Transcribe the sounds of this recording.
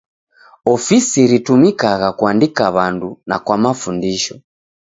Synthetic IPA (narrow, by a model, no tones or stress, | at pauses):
ɔfisiɾitumikaɣakuandikaβanduna̰kwamafundiʃɔ